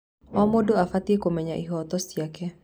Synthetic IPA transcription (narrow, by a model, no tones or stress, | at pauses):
ɔmodoafat̪ikomɛɲaʔiɦɔt̪ɔst̪iakɛ